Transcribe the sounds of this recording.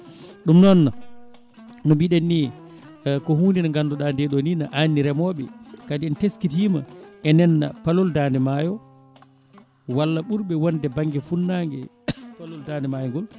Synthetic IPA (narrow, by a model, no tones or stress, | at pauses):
ɗumnɔnːa | nɔbiɗanːi | kɔhuːndinaŋɡandɔɗandɛɗoninaʔanːiɾɛmɔːɓɛ̰kadiɛnteskitimaʔɛnɛnːa̰palɔldaːndɛmajɔ | walːaɓuɾɓɛwɔndɛbaŋɡɛfunːaŋɡɛ̰ | palɔldandɛmajɔŋɡɔl